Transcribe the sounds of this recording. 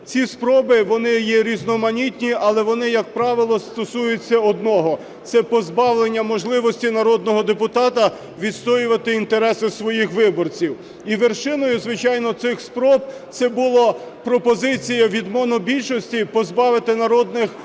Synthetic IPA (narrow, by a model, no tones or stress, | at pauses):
t͡sʲispɾɔbɪʋɔnɪjɛɾʲiznɔmɐnʲitʲnʲiʔɐlˠɛʋɔnɪjɐk̚pɾɑʋɪlˠɔst̪ɔsujʊt͡sʲːɐɔd̪nɔɦɔ | t̪sɛpɔzbɑwlˠe̞nʲːɐmɔʒlˠɪʋɔsʲtʲinɐɾɔd̪nɔɦɔd̪epʊt̪ɑt̪ɐ | ʋʲid̪st̪ɔjʊʋɐt̪ɪint̪eɾɛsɪsʋɔjixʋɪbɔrt͡sʲiw | iʋerʃɪnɔjʊzʋɪt͡ʃɑjnɔt̪sɪxspɾɔbt̪sɛbʊlˠɔpɾɔpɔzɪt͡sʲijɐʋʲid̪mɔnɔbʲilʲʃɔsʲtʲipɔzbɑʋɪt̪ɪnɐɾɔd̪nɪx